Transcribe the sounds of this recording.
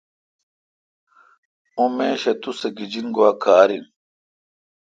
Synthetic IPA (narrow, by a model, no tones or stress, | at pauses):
umeːɕɐt̪useɡid͡ʑinɡowakaːɾin